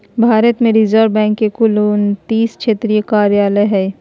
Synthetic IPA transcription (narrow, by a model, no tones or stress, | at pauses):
bʱaːɾət̪mẽɾɪzəɾʋbɛ̃ːŋkːekʊluːnt̪iːskʃʰeːt̪ɾijəkaːɾjaːləɦɛː